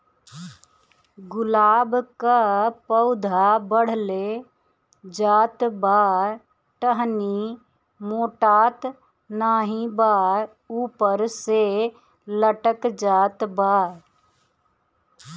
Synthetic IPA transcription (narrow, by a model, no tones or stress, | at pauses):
ɡʊlaːbkapəʊd̪ʱabəɽ̤le | d͡ʒaːt̪baːɾ | ʈəɦni | moːʈaːt̪ | naːɦĩbaːɾ | uːpəɾse | ləʈəkd͡ʒaːt̪baːɾ